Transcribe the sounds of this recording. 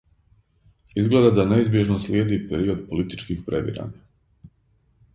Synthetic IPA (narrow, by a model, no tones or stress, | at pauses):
izɡle̞d̪ad̪ane̞izbjeʒnoslʲjeːd̪ipeɾio̞d̪̚po̞lit̪i̥t͡ʃkixpɾeʋḭɾa̰ɲa